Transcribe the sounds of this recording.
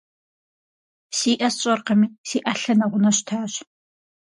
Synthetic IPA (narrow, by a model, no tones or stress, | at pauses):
siːʔɐsɕʼɐrqɐmiːsiːʔɐɬɐnɐʁʷʊnɐɕtʰaːɕ